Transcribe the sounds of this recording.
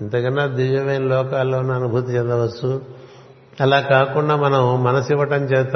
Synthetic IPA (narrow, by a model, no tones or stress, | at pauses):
int̪ɐkɐnːad̪iʋjɐmɐjnɐlɔːkaːlːoːnɐnubʱut̪ɐt͡ʃɛnd̪ɐʋɐsːu | ɐlaːkaːkuɳɖaːmɐnɐmmɐnɐsiʋɐʈɐmt͡ʃeːst̪